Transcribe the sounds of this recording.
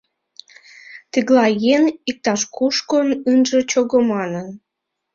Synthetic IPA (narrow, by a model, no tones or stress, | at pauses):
t̪iɣlɑjenik̚t̪ɑʃkuʃkonɨnʒĕt͡ɕoɣomɑnən